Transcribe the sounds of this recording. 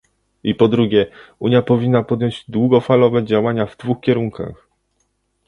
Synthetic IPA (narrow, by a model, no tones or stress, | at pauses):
ipɔd̪ɾuɡʲjɛuɲjapɔvʲinːapɔd̪jɔɲd͡ʑd̪wuɡɔfalɔvɛd͡ʑawaɲavd̪vuxkʲɛɾuŋka̰x